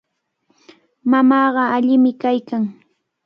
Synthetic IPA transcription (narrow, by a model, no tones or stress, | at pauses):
mamɑːɢɑaʎɪmɪkajkaŋ